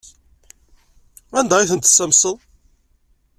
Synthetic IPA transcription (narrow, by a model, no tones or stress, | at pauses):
ænd̪ɑiθənt̪ə̥sːæmsəðˤ